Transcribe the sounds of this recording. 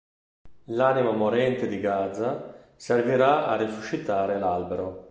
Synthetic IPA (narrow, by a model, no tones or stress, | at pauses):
laːnimamoɾɛnt̪ed̪iɡad̪za | serviɾaa̰risuʃit̪aːɾelalbeɾo